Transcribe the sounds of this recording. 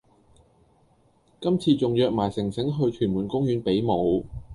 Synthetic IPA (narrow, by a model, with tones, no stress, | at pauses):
kɐ˥mt͡sʰiː˧t͡sʊ˨ŋjœː˨k̚maː˨˩jsɪ˨˩ŋsɪ˨˥ŋɦɵ˧ɥt͡ʃʰyː˨˩muː˨˩nkʊ˥ŋjyː˨˥npe˨˥jmo˨˧w